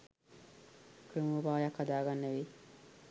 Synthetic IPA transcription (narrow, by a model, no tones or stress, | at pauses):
kɾumubaːjɐkːad̪aːɡanːeʋi